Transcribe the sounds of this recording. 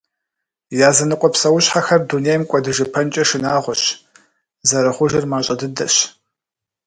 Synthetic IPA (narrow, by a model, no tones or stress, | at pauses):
jaːzɐnɨqʷʼɔpsɐwʊɕħaxɐrdunejmkʷʼɔdɨʒɐpʰɐnt͡ʃʼɐʃɨnaːʁʷɔɕ | zɐɾɐχʷʊʒɪrmaːɕʼɐdɨdɐ̰ɕ